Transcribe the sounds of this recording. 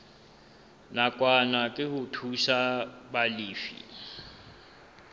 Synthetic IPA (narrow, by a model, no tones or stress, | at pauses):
nakʼwanakʼɪhʊtʰuʃabaliːfḭ